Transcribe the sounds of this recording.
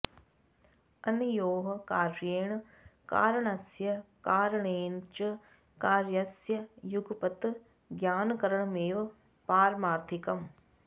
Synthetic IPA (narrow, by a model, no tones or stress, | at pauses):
ɐnijoːɦɐkaːɾjeːɳ | ka̰ːɾɐɳɐsjɐkaːɾɐɳeːnt͡ʃɐ | kaːɾjɐsjɐjuɡpɐt̪ | ɡjaːnɐkɐɾɐɳɐmeːʋɐ | paːɾmaːɾt̪ʰikɐm